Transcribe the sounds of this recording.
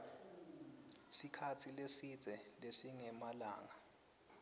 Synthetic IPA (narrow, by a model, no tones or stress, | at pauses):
sikʰatʰilesid͡z̥ʱɛlesiŋɛmala̰ːŋa